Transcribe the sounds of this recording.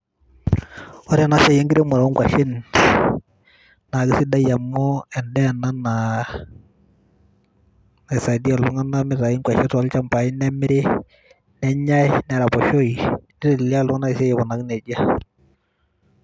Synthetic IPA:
ɔ˦ɾi˦a˨na˦ʃa˨jɛ˦ŋɡɪɾe˦mʊ˨ɾa˨ɔ˦ŋɡwa˨ʃɪ˦n | na˨kɪ˨sɪ˦da˦ja˨mɔ˦ɛ˨ndɛ˦a˨na˦na˨ | na˨ɪ˨sa˨di˦a˨lʊ˦ŋa˦na˦mɪ˦ɾa˨i˦ŋkwa˨ʃɛ˦tɔ˨˦lt͡ʃa˦mpa˨i˦nɛ˦mɪ˦ɾɪ˦ | nɛ˦ɲa˦ɪ˦nɛ˨ɾa˨pɔ˨ʃɔ˦i˨nɪ˦ɾɪ˨la˦lʊ˦ŋa˦na˦ɪ˨sɛ˦jɛ˨βɔ˨na˨knɛ˨d͡ʒa˦

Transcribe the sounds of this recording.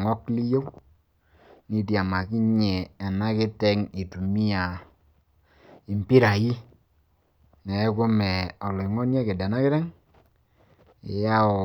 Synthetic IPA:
ŋɔ˦kli˦jo˦w | ni˨tja˨ma˨ki˦ɲɛ˨a˨na˦kɪ˦tɛ˦ŋi˨tu˨mi˦a˨ | i˨mpi˦ɾa˨ji˦ | nɛ˨˦ko˦mɛ˨ɔ˨lɔ˨i˨ŋɔ˦njɛ˦kɪ˨da˨na˦kɪ˦ɾɛ˦ŋ | e˨ja˦ɔ˨

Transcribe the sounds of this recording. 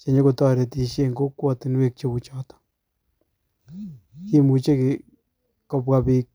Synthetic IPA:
t͡ʃe˨ɲo˦ko˨tɔ˦ɾe˨ti˨ʃje˦˨ŋɡo˦kwɔti˨nwe˨k̚t͡ʃe˧ku˨t͡ʃɔ˦tɔ̥ | ki˦mu˨t͡ʃe˦ki˨ | kɔ˨pwa˨pik̚

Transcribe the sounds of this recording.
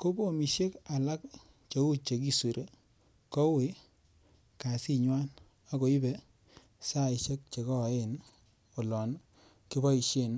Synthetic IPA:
ko˦bo˦˨mi˨ʃe˦ka˨la˦k̚ | t͡ʃe˨˦u˦t͡ʃe˨ki˦su˨ɾʔe˦ | kɔ˦we˨˦ | ka˨si˦ɲwa˦n | a˦ko˨i˦be˨ | sa˦˨i˨ʃe˦k̚t͡ʃe˨kɔ˦˨e˦˨n | o˨lɔ˨n | ki˦bɔ˦i˨ʃe˦˨n

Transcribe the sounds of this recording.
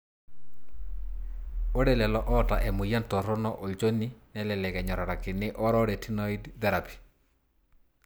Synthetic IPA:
o˦ɾɛ˨lɛ˨lɔ˦ʔɔ˦ta˨ʔɛ˨mʊ˨ja˦ntɔ˨ɾɔ˦nɔ˦ʔo˨t͡ʃo˦ni˦nɛ˦lɛ˨lɛ˨kɛ˨ɲɔ˨ɾa˨ɾa˨kɪ˨nɪ˦ʔɔ˦ɾɔ˦ɾɛ˨tʰi˦nɔ˦i˦dtɛ˦ɾa˨pi̥˨

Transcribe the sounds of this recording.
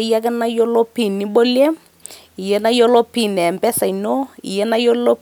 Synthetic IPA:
ja˦kɛ˦na˦jo˦lo˦pi˦˨ni˨˦ɓo˦le˦ | i˨jɛ˦na˦jo˦lo˦pi˦˨n˨ɛ˨mpɛ˦sa˨i˨no˦ḭ˨jɛ˦na˦jo˦llo˦

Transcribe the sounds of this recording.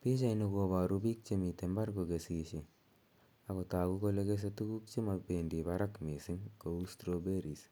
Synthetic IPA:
pi˦t͡ʃa˦jnu˧ko˨βa˨ɾubi˦k̚t͡ʃemi˨te˨mba˦ɾko˨ɡe˨si˨ʃe˨ | a˨ko˨ta˨ku˦ko˧le˦kes̬e˦tu˦ɡu˦k̚t͡ʃe˦ma˨bendi˨baɾa˦kmi˨si˦ŋkoustɾobe˦ɾi˨s

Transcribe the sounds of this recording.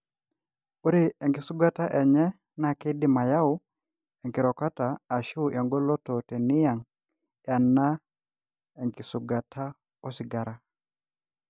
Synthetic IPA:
u˦ɾi˦e˨ŋkɪ˨su˦ɡa˦ta˦ʔɛ˨ɲɛ˦ | na˦˨ki˦di˦ma˨ja˦ʊ˦ | e˨ŋkɪ˨ɾɔ˨ka˦taː˨ʃu˦ʔja˨ŋɡɔ˦lɔ˦to˨te˨nɪ˦ja˨ŋ | ja˨nːa˦ | e˨ŋki˨su˨ɡa˨tʰa˦ | ɔ˦sɪ˨ɡa˨ɾa˨

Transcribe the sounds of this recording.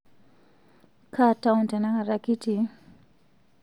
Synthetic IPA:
kʰa˦taunta˨na˦ŋa˨ɾaki˦ti˨

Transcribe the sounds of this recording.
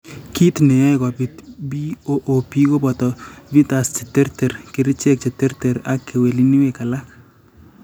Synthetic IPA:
ki˦t̪ne˨ɛ˦kɔ˨bi˨tbi˦o˦ʔo˨pi˦ko˦bɔ˨tɔ˨bi˦t̪a˨st͡ʃe˨te˦rte˨ɾkɪ˦ɾɪ˦t͡ʃe˦k̚t͡ʃe˨te˦ɾte˨ɾa˦kːe˨we˨li˦ni˦we˨ka˨la˦k̚

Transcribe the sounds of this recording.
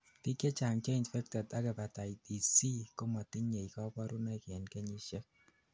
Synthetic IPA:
ti˦ke˦t͡ʃa˨ŋt͡ʃe˦i˨ntfɛ˦k̚tɔ˨ta˦kɛ˨pa˨ta˨i˨ti˨si˦ko˦ma˨ti˦ɲe˨ikɔ˦pɔ˦ɾu˦nɛ˦kɛ˨nke˦ɲi˦ʃɛ˦k̚

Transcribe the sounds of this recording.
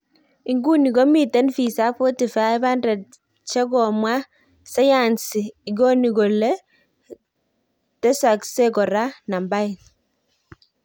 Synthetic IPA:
i˨ŋɡu˦ni˨ɡo˦mi˨tɛ˦nfi˨sa˦fɔ˦ti˨fa˦ba˦ndɛ˨t̚ | t͡ʃɛ˦ɡɔ˨mwa˦ | sa˦ja˨nsiː˨ɡo˦ni˨ɡo˨le˦ | tɛ˦sa˨kse˦kɔ˨ɾa˦na˨mba˦ɪ˨n

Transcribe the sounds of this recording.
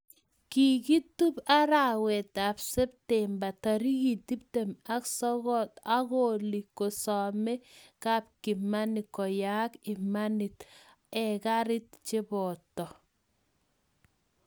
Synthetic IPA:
kiɡi˦tu˦pa˦ɾawɛ˨ta˨bsɛ˦p̚tɛmba˨taɾi˦ɡi˨ti˦p̚tema˦ksɔɣɔta˦ɡoli˨kːo˨sɔmɛ˦kap̚ki˨ma˦nikɔ˨jakɪmanɪt | ɛkaɾɪ˦t̚t͡ʃe˦bɔtɔ˨

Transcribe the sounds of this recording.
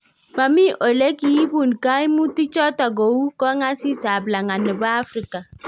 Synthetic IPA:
ba˨mi˦ʔo˨le˦ki˨i˦bu˨nka˦i˦mu˦ti˦t͡ʃɔ˦ta˨ɡo˨wu˦kɔ˦ŋa˦si˦sa˨bla˨ŋa˨nɪ˨ba˦a˦fɾi˦ka˨

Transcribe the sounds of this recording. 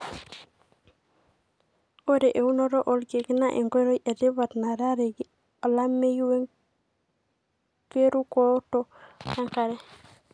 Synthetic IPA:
o˦de˨ʔe˨u˦no˦ɾo˦ʔo˨lɡe˨kna˦ʔḛ˨ŋɡo˦ɾo˦jʔe˨di˦βa˨tna˨ɾa˦ɾe˨ɡi˦ | o˨la˦mːe˦jwe˦ŋ | ke˦ɾu˦ko˦to˦ka˦ŋka˨ɾɛ˦

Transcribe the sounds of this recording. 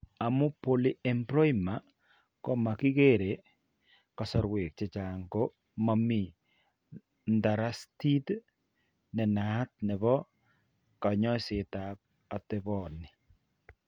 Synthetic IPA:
a˨mʊ˦poli˦ɛ˨mpɾɔ˦ima˨ | kɔ˦ma˨ki˦keɾe˨ | ka˨sɔ˦ɾwe˨k̚t͡ʃet͡ʃa˨ŋɡo | mami˨ | nda˨ɾa˦sti˦t | nɛ˨na˨˦t̚nɛ˨βɔ˦ | ka˨ɲɔ˦se˨tap̚ | a˨tɛbɔnɪ˨

